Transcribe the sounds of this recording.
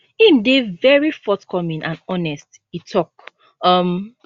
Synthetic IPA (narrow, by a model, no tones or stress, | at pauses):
ĩmdevɛɹifɔtkʰɔmĩnʔãnɔnɛst | itʰɔk | ʌm